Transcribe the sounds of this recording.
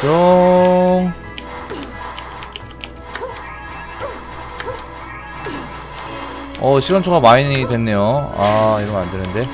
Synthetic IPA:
o | ʌɕʰiɡʌnt͡ɕʰoɡamainɯɲiɡidwe̞nːe̞joa̰iɾʌmmandenɯnde̞

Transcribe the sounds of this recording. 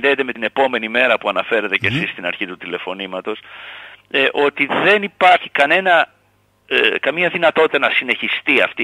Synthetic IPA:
nðeːt̪e̞met̪ine̞po̞me̞nime̞ɾɐpuɐnɐfe̞ɾet̪ece̞sist̪inɐɾçit̪ut̪ile̞fo̞nimɐt̪o̞s | ʔo̞t̪iðe̞nipɐɾçikɐne̞nɐ | kɐmiɲɐðinɐt̪o̞t̪i̥t̪ɐnɐsine̞çist̪iɐft̪i

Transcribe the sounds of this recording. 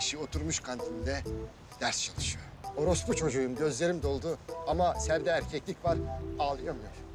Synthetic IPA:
iʃio̞t̪ʰuɾmuʃkʰant̪ʰind̪ɛ | d̪̥æɾst͡ʃʰalˠɯʃɯjoo̞ɾo̞sput͡ʃʰo̞d͡ʒujumɟø̞zlʲe̞ɾimd̪o̞lˠd̪uamasæɾd̪ɛɾcʲʰɛclʲicvaɾaːlˠɯjamjoɾ̥

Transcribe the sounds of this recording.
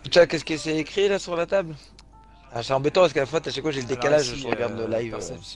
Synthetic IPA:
t̪yakɛskəsɛːkχilasyʁlat̪abl | asɛɑ̃bɛt̪ɑ̃paskalafwat̪aʃakfwaʒeləd̪ekalaʒʒəʁəɡaʁd̪ləlajvø̰

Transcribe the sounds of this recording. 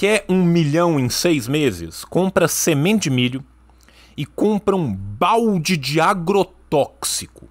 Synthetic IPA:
kɛũmiʎɐ̃w̃ẽj̃sejzmezɪ̰skõmpɾɐsemẽd͡ʒɪmiʎʊ | ɪkõpɾɐũbawd͡ʒɪd͡ʒɪaɡɾot̪ɔksikʊ̥

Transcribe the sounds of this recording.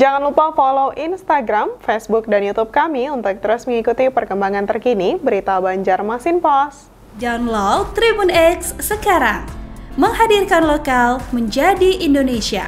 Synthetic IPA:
d͡ʒaŋanlupafolowʔinst̪aɡɾamfesbʊk̚danjut̪up̚kamiunt̪ʊk̚t̪əɾʊsməŋikut̪ipərkəmbaŋant̪ərkinibəɾit̪abaɲd͡ʒarmasɪnpɔs | danlot̪ɾibunɛkssəkaɾaŋməŋɦadirkanlokalməɲd͡ʒadiʔindonesia̰

